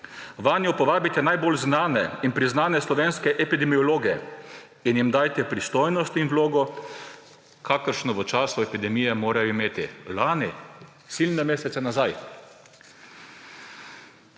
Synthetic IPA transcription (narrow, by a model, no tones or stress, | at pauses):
ʋaːnjɔpɔʋaːbit̪ɛnajbolznaːnɛinpɾiznaːnɛslɔʋeːnskɛʔɛpid̪ɛmiɔloːɡiɛ | injimd̪aːjt̪ɛpɾist̪oːjnɔst̪inwloːɡɔ | kʰakəɾʃnɔʋət͡ʃaːsʊɛpid̪ɛmijɛmoːɾajɔimeːt̪ilaːni | silnɛmeːsɛt̪sɛnazaj